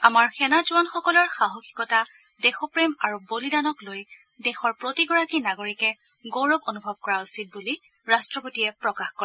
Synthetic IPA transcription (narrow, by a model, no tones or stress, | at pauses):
amaɹxɛnad͡ʒuwanxɔkɔlɔɹxaɦokʰi̥kɔta | dɛxɔpɹemaɹubolidanɔkloj | dɛxɔɹpɹotiɡɔɹakinaɡoɹikɛ | ɡowɹɔbonubʱɔb̚kɔɹausit̚buli | ɹastɹɔpotiɛpɹɔkaxkɔɛ